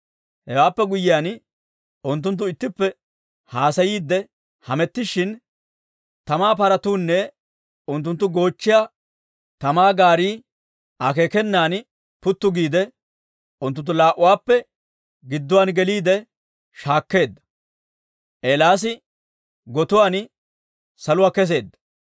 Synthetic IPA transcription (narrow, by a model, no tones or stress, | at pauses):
hɛwaːpːɛɡʊjːɪjan | ʊnt̪̬ːʊnt̪̬ːʊɪt̪ːɪpːɛ | haːsɐjiːd̪ːɛ | hɐmɛt̪ːɪʃɪn | t̪ɐmaːpɐɾɐt̪uːnːɛ | ʊnt̪ːʊnt̪ːʊɡo̞ːt͡ʃːɪja | t̪ɐmaːɡaːɾiː | ʔakeːkɛnːaːn | pʊt̪ːʊɡiːd̪ɛ | ʔʊnt̪ːʊnt̪ːʊlaːʔʊwaːpːɛ | ɡɪd̪ːʊwaːnɡɛliːd̪ɛ | ʃaːkːe̞ːd̪ːɐ̥ | ʔeːlaːs̬ɪ | ɡɔt̪ʊwaːn | sɐlʊwaːkɛs̬e̞ːd̪ːɐ̥